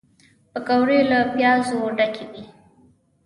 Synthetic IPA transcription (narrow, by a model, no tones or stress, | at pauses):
pəkawɾelapjɑzoɖakʰewi